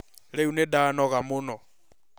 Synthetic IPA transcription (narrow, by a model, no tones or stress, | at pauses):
ɺeunɛdanɔɣamʊːnɔ